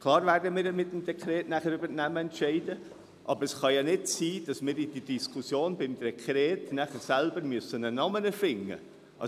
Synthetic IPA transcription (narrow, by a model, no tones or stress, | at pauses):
kʰlˠɑːɾvæɾdəmiːɾəmɪt̚ːəmd̥ɛkʰɾɛːtnæχəɾybəɾnæməɛntʃɛɪdə | ʔɑbəɾəsχɑjɑnɪdsiːd̥ɑsmɪːɾid̥idiskʰusjoːnbɪmdɛkʰɾɛːtnæχəɾsɛlbəɾmyəsənənɑmənəfɪŋːə̰ | ʔɑ